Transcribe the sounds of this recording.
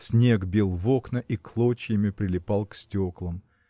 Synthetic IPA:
sʲnʲe̞ɡbʲilˠvo̞knəʔiklˠot͡ɕɪjɪmʲɪpɾʲɪlʲɪpɑlˠksʲtʲoklˠəm

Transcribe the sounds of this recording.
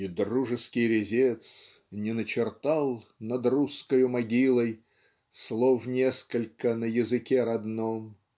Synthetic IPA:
id̪ruʐɨskʲɪjɾʲɪzʲet̪s | nʲɪnət͡ɕɪrt̪alˠnɐd̪ruskəjʊmɐɡʲilˠəj | slˠofnʲeskəlʲkənəjɪzɨkʲeɾɐd̪nom

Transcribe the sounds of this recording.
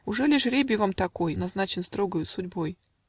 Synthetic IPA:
ʊʐɛlʲɪʂɾʲebʲjɪvamt̪ɐko̞jnɐznat͡ɕɪnst̪ɾo̞ɡəjʊsʊdʲbo̞j

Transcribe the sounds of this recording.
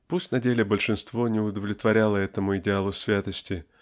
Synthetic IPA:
pusʲtʲnɐdʲelʲɪbəlʲʂɨnst̪vo̞nʲɪʊd̪əvlʲɪt̪vɐɾʲalˠəɛt̪əmʊɪdʲɪalˠʊsʲvʲat̪əsʲtʲɪ

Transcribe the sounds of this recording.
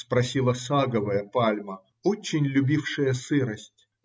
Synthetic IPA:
spɾɐsʲilˠəsaɡəvəjəpalʲmə | ot͡ɕːɪnʲlʲʊbʲifʂɨjəsɨɾəsʲtʲ

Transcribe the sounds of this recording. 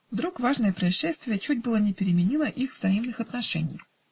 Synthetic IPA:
vd̪ɾukvaʐnəjəpɾəɐɪʂːɛst̪vʲɪjət͡ɕut̚ʲbɨlˠənʲɪpʲɪɾʲɪmʲɪnʲilˠəʔixvzɐimnɨxɐt̪nɐʂɛ̰nʲɪj

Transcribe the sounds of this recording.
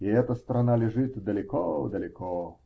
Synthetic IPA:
iɛt̪ɐst̪ɾɐnalʲɪʐɨt̪d̪ɐlʲɪkɔd̪ɐlʲɪkɔ

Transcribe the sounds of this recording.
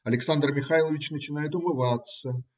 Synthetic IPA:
ɐlʲɪksand̪rmʲɪxajlˠəvʲɪt͡ɕnət͡ɕɪnajɪt̪ʊmɨvat̪sə

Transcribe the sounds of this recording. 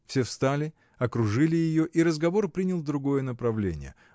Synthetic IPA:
fsʲefst̪alʲɪ | ɐkɾʊʐɨlʲɪjɪjo̞ʔiɾəzɡɐvo̞rpɾʲinʲɪlˠd̪ɾʊɡo̞jən̪əpɾɐvlʲḛnʲɪ̰jə̰

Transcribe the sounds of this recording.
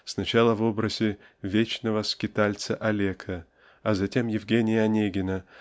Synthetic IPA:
snɐt͡ɕalˠəvo̞bɾəzʲɪvʲet͡ɕnəvəskʲɪt̪alʲt̪səʔɐlʲekʰə | ɐzɐtʲe̞mjɪvɡʲenʲɪjəɐnʲeɡʲɪnə

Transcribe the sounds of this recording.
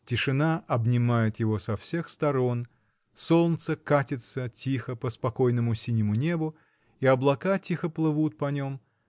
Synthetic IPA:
tʲɪʂɨnaɐbnʲɪmajɪt̪jɪvo̞sɐfsʲe̞xst̪ɐɾo̞n | so̞lˠnt̪səkatʲɪt̪sətʲixəpəspɐko̞jnəmʊsʲinʲɪmʊnʲe̞bʊ | iɐblˠɐkatʲixəplˠɨvut̪̚pɐnʲo̞m

